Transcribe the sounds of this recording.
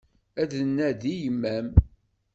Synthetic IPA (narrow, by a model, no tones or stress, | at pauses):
æðənːæðijəmːæm